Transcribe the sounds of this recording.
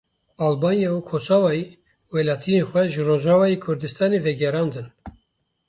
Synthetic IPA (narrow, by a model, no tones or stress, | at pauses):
ɑːlbɑːnjɑukʰoːsɑːwɑje | wɛlɑːt̪ʰijenxʷɛʒɨɾoːʒɑːvɑːjekʰʊɾd̪ɨst̪ɑːnevɛɡɛɾɑːnd̪ɨn